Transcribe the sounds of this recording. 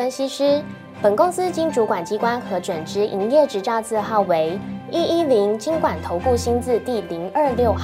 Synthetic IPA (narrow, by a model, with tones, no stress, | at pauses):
ə˥nɕi˥ʂɻ̩˥ | pə˨˩nkʊ˥ŋsɹ̩˥t͡ɕi˥ŋʈ͡ʂu˧˥kwa˨˩nt͡ɕi˥kwa˥nxɤ˧˥ʈ͡ʂwə˨˩nʈ͡ʂɻ̩˧˥ʔi˧˥ŋjɛ˥˩ʈ͡ʂɻ̩˧˥t͡sɑ˥˧ʊt͡sɹ̩˥˧xɑ˥˩ʊwe˧˦ɪi˥ʔi˦˥li˧˥ŋt͡ɕi˥ŋkwa˨˩nt̪ʰo˧˥ʊku˥˩ɕi˥nt͡sɹ̩˥˧t̪i˥˩li˧˥ŋə˥˧ljo˥˧ʊ